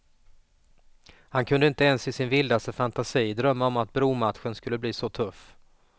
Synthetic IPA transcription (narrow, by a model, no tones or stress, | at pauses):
hankʰɵnd̪əɪnt̪əɛnsɪsɪnvɪld̪ast̪əfant̪asiːd̪ɾœmːaɔmat̪̚bɾuːmat̪ɧənskɵlːəbliːsɔt̪ʰɵf